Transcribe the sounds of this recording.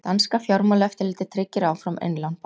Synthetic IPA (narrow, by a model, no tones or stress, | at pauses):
t̪anskafjɔɾmalɛft̪ɪɾlɪːt̪ɪt̪ʰɾɪcːɪɾaːwfɾamḛjnlanp